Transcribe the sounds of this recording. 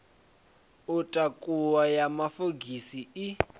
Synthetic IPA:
utʼakʼuwajamafoɡʱisii

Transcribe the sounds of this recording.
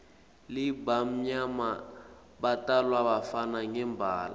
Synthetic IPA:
libam̩ɲama | batalwaβafanaŋɛmbʱaːla̰

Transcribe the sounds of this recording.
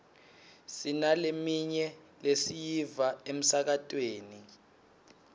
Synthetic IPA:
sinalemiɲɛ | lesijivaem̩sak̬atʼweːni

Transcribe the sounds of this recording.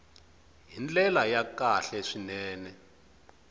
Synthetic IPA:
ɦind͡ɮɛlajakaɬɛʂinɛːnɛ

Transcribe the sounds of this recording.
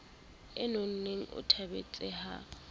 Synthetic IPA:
ɪnon̩neŋ̩ʔʊ̰tʰabḛt͡sʼɪha̰

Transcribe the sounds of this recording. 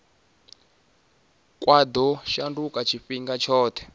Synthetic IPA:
kʼwad̪ɔʃandukʼat͡ʃʰifiŋɡat͡ʃʰɔːt̪ʰɛ̥

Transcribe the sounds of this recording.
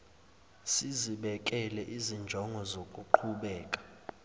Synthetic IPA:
siziɓɛkʼɛlɛʔizind͡ʒʱɔŋɡʱɔzokʼuǃʰuɓɛːkʼḁ

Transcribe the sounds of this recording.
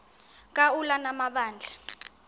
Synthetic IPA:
k̬ʼaulanamaɓaːnd͡ɮʱa

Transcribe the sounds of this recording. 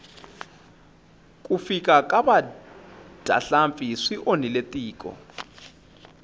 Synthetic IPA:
kʼufikʼakʼaɓa | d̥ʱa̰ɬamfʼisiʔoniletʼiːkʼɔ̰

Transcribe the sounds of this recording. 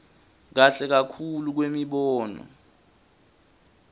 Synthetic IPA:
k̬aɬɛk̬akʰuluk̬wemiɓɔːnɔ̰

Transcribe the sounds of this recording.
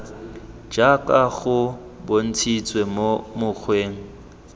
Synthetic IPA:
d͡ʒakʼaɣʊ | bon̩t͡sʰit͡sʼwemomʊk͡xʰweːŋ̩

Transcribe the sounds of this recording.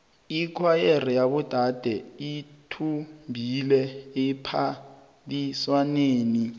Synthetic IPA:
ikʰwajer̤ijaɓud̥ʱad̥ʱɛitʰumbʱilɛepʰa | ɓiswaneːni

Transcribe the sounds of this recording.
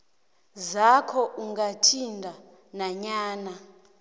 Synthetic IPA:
zakʰɔʔuŋɡatʰindʱa | naɲaːna

